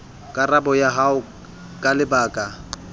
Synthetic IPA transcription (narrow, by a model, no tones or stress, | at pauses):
kʼarabɔjaɦaʊ | kʼalɪbaːkʼa